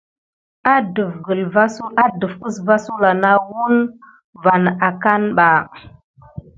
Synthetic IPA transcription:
a˦də˨fɡə˨lva˦su˦a˦də˨fə˦sva˦su˦la˨na˦wu˦n | va˨na˨ka˦nɓa˨

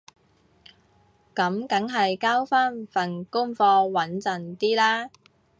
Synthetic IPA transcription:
kɐ˨˥mkɐ˨˥ŋɦɐ˨jkaː˥wfaː˥nfɐ˨nkʊ˥ŋfɔː˧wɐ˨˥nt͡sɐ˨nt̪iː˥laː˥

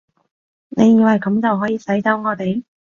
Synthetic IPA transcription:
ne˨˧jjiː˨˧wɐ˨˩jkɐ˨˥mt͡sɐ˨wɦɔː˨˥jiː˧sɐ˨˥jt͡sɐ˥wŋɔː˨˧t̪e˨j

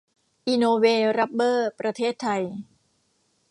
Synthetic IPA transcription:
ʔiː˧noː˧weː˧ɾa˦˥p̚bɤː˥˩pɾa˧t̪ʰeː˥˩t̪ʰːa˧j

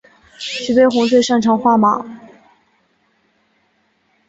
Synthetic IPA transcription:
ɕy˧˥pe˥˩ɪxʊ˧˥ŋt͡swe˥˧ɪʂɑ˥˩ŋʈ͡ʂʰɑ˧˥ŋxwa˥˩ma̰˨˩˦

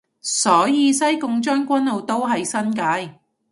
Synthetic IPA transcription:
sɔː˨˥jiː˧sɐ˥jkʊ˨˧ŋt͡ʃɔː˥nkʷɐ˥nlo˨˧wt̪o˥wɦɐ˨jsɐ˥nkaː˨˥j

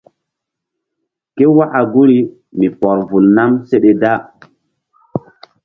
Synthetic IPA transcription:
ke˦wa˦ʔa˨ɡu˦ɾi˦ | mi˨pɔ˨ɾvu˨lna˦mse˦ɗe˨da˦

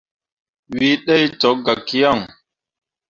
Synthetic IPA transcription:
wi˦ɗe˦jtɔ˨˦k̚ɡa˨kːi˦ja˦˨ŋ

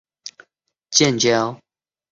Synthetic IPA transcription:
t͡ɕjɛ˥˨nt͡ɕja˦ʊ

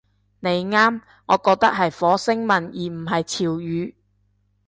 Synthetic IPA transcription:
ne˨˧jŋaː˥m | ŋɔː˨˧kɔː˧k̚t̪ɐ˥k̚ɦɐ˨jfɔː˨˥sɪ˥ŋmɐ˨njiː˨m̩˨˩ɦɐ˨jt͡sʰiː˨˩wjyː˨˧˦

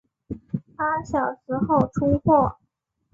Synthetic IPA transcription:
pa˥ɕjɑ˨˩ʊʂɻ̩˧˥xo˥˩ʊʈ͡ʂʰu˥xwɔ˥˩

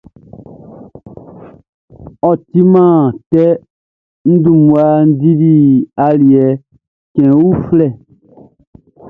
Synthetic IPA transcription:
ɔ˨ti˦mã˦˨tɛ˦ | n̩˦dũ˦˨mũ˨a˨n̩˦di˦di˦a˨li˨ɛ˨ | kɛ̃˨wu˦flɛ˦˨

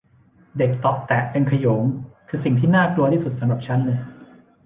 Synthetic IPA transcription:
de˨˩k̚t̪ɔ˨˩k̚t̪ɛ˨˩ʔpe˧nkʰa˧joː˩˦ŋkʰɯː˧si˨˩ŋt̪ʰiː˥˩naː˥˩klu˧ɐt̪ʰiː˥˩su˨˩sa˨˦mɾa˨˩p̚t͡ɕʰa˦˥nlɤː˧j

